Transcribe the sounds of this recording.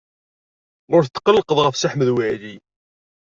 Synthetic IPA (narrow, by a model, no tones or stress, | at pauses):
ʁʊɾθət̪ːqːəlːəqəðˤʁəfsəħməðwæli